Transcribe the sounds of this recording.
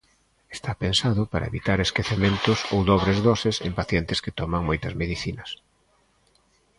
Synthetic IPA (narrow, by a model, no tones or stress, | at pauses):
est̪apensaðʊpaɾɐ̰ḛβit̪aɾeskeθemẽnt̪ʊsowðɔβɾezðɔsɪsḛmpaθjɛnt̪ɪskɪt̪ɔmɐŋmɔjt̪ɐzmeðiθinɐs